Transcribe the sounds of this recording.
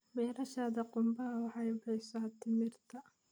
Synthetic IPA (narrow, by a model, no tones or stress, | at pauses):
wɛːɾɐʃaːðɐqʊmbɐɦɐwɑħɑjʊħɛjsɐt̪ʰɪmɪrt̪ʰɐ